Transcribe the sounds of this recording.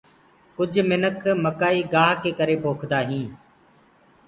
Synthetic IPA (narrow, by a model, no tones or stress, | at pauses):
kʊd͡ʒʱmɪnəkʰməkaːiːɡaːɦkeːkəɾeːpoːkʰd̪aːɦĩː